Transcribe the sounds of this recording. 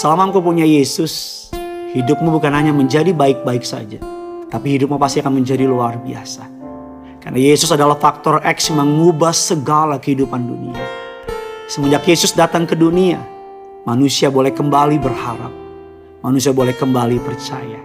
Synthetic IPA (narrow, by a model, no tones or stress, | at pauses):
səlamaŋkupuɲajesʊs | hidʊp̚mubukanɦaɲaməɲd͡ʒadibaɪk̚baɪksa̰d͡ʒat̪apihidʊp̚mupast̪iakanməɲd͡ʒadiluarbia̰sa | ka̰rnajesʊsadalahfak̚t̪ɔrɛksməŋubahsəɡalakəhidupandṵnḭa̰ | səməndakjesʊsdat̪aŋkədunia | manusiabolɛhkəmbalibərhaɾa̰p̚ | manusiabolɛhkəmbalipərt͡ʃa̰ja